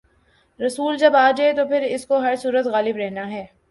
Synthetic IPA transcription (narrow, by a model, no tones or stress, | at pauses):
ɾɐsuːld͡ʒɐbaːd͡ʒaet̪opʰɪɾɪskoɦɐɾsuːɾət̪ɣaːlɪbɾɛɦnaɦɛː